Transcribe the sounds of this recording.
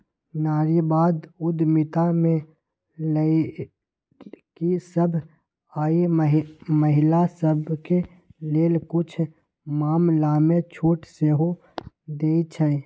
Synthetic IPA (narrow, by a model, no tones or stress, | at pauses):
naːɾibaːd̪ʊd̪mɪt̪amẽ | ləi | kisəbʱ | aːi | məɦɪlasəbʱke | leːlkʊt͡ʃʰ | maːmlaːmẽt͡ʃʰoːʈseːɦo | d̪eːit͡ʃʰɛ